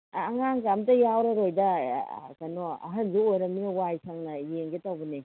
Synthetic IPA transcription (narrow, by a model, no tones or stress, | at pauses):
ŋaŋkamtɐjawɾɐɾojdɐkɐnɔɐ̰ɦɐnzuojɾɐminɐwajsʰaŋnɐjeŋɡetawbɐni